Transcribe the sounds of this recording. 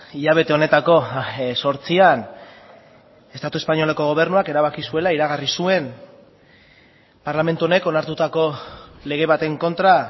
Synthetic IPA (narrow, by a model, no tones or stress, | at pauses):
iʎaβ̞e̞t̪e̞o̞ne̞t̪ako̞so̞ɾt͡sian | e̞st̪at̪ue̞spaɲo̞lako̞ɣ̞o̞β̞e̞ɾnuake̞ɾaβ̞akisue̞laiɾaɣarisue̞n | paɾlame̞nt̪uo̞ne̞ko̞naɾt̪ut̪ako̞le̞ɣ̞e̞βat̪e̞ŋko̞nt̪ɾa